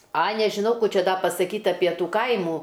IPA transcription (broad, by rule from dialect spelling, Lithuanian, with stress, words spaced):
ɐ nʲɛʒʲɪˈnɐʊ ˈkuː ˈt͡ʃʲɛ ˈdɑː pɐsɐˈkʲiːtʲ ˈɑːpʲiɛ ˈtuː ˈkɐɪmuː